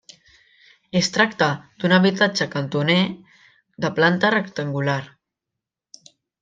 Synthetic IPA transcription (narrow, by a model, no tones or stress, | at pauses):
est̪ɾakt̪əd̪̥unəβit̪ad͡ʒəkənt̪une | ðəplant̪ərəkt̪əŋɡulaɾ